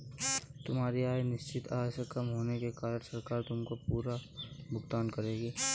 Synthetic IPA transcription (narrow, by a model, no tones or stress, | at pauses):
t̪ʊmɦaːɾiaːjnɪʃt͡ʃɪt̪ʰaːd͡ʒsekɐmɦoːnekekaːɾəʈsɐɾkaːɾt̪ʊmkopuːɾabʱʊɡt̪aːnkɐɾeːɡiː